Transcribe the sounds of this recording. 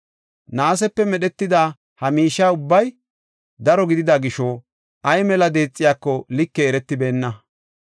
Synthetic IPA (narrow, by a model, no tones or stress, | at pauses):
naːs̬ɛpːɛmɛɗɛt̪ːɪd̪aː | hɐmiːʃːaːʊbːɐj | d̪ɐɾɔɡɪd̪ɪd̪ɐɡɪʃo | ʔɐjmɛlɐd̪e̞ːt͡sʼːɪjaːkːɔlɪkːɛːɾɛt̪ːɪbe̞ːnːɐ